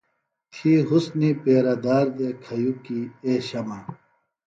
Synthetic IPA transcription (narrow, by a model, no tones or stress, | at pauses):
t̪ʰiɦusnipeːɾɐd̪aːɾd̪ekʰɐjukieːɕɐmɐ